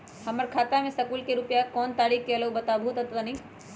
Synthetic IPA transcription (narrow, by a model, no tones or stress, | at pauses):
hɐməɾkʰaːt̪amẽsɐkuːlkeɾʊpjakɔːnt̪aːɾiːkkeɐləwbɐt̪aːbʱuːt̪ɦɐt̪ʋanĩ